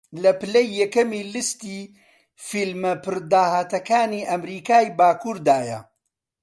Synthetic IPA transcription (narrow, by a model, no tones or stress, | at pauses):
lɐpɨlɐjːɛkɐmiːlɨst̪iː | filmɐpʰɨɾd̪aːhaːt̪ɐkaːniːʔɐmɾiːkaːjbaːkʰuːɾd̪aːjɐ̰